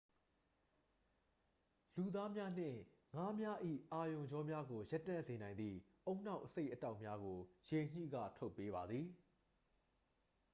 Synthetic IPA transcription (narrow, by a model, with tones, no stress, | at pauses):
lu˨d̪a˦mja˦n̥ɪ̰̃˦˨ŋa˦mja˦ʔḭ˦˨ʔa˨jõ˨ɲd͡ʑɔ˦mja˦ɡo˨jɛ˦tːã̰˦˨ze˨nã˨ɪ̃nd̪ðḭ˦˨ʔõ˦ʊ̃n̥ã˦ʊʔəse˦ɪʔəta˦ʊʔmja˦ɡo˨je˨ɲ̥ḭ˦˨ɡa̰˦˨tʰo˦ʊpːe˦βa˨d̪ði˨